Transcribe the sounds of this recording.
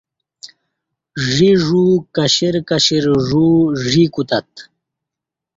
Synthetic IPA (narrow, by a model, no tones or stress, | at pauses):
ʐiʐuːkɐɕiɾkɐɕiɾʐuːʐikut̪ɐt̪